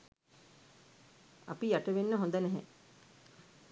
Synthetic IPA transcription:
a̰pijaʈəʋenːəɦõnd̪ənɛɦɛ̰

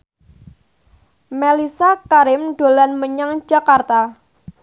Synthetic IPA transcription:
melisakaɾɪmɖ̥o̤lanməɲaŋd͡ʒakart̪a

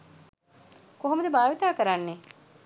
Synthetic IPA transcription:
koɦomud̪əbaːʋit̪aːkəɾanːe

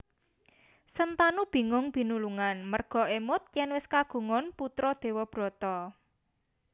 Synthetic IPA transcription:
sənt̪anub̥i̤ŋʊŋb̥i̤nuluŋanmərɡ̥ɔ̤ʔemʊt̪̚jɛnwɪskaɡ̥o̤ŋɔnput̪ɾɔd̪̥e̤wɔb̥ɾɔ̤t̪ɔ

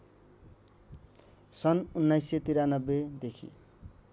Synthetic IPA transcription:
sʌnunːajset̪iɾanʌbːed̪ekʰḭ

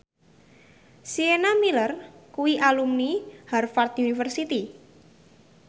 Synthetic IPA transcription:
sienamilərkuwiʔalumniharfart̪junifərsit̪i

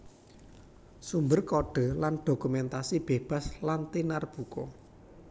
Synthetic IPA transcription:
sumbərkɔɖ̥ɔ̤lanɖ̥o̤kumɛnt̪asib̥e̤b̥a̤slant̪inarb̥ukɔ

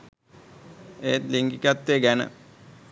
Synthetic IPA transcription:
eːt̪liŋɡikat̪ːeːɡænə̰

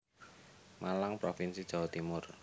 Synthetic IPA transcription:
mʔalaŋpɾofinsid̥ʒ̥a̤wat̪imʊr

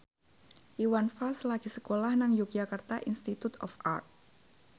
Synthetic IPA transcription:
ʔiwanfalslaɡ̥i̤səkolahnaŋjukiakərt̪aʔinst̪it̪ut̪ɔ̰fʔa̰rt̪̚

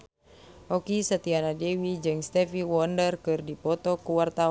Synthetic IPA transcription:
ɔkisət̪ianadɛwid͡ʒɨŋst̪ɛfiwɔndərkɨrdipɔt̪ɔkuwart̪au

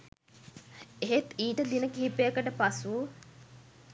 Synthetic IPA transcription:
eɦet̪iːʈəd̪inəkiɦipejəkəʈəpasu

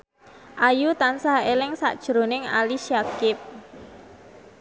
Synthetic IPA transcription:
ʔajut̪ansahelɪŋsa̰ʔd̥ʒ̥ɾonɪŋa̰liʃiakɪp̚

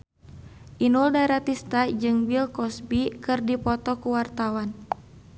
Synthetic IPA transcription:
ʔinuldaɾat̪ist̪ad͡ʒɨŋbilkɔsbikɨrdipɔt̪ɔkuwart̪awan

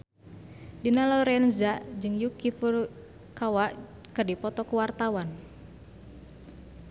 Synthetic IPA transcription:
dinalɔɾɛnzaʔd͡ʒɨŋjukifur | kawaʔkɨrdipɔt̪ɔkuwart̪awan

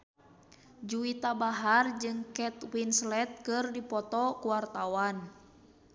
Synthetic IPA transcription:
d͡ʒuit̪abaɦard͡ʒɨŋkɛt̪winslɛt̪̚kɨrdipɔt̪ɔkuwart̪awan

